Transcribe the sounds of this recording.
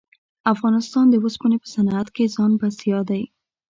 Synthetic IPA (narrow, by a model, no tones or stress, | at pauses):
afɣɑnɪst̪ɑnd̪əwəspunepə̥sanat̪kezɑnbasjɑd̪aj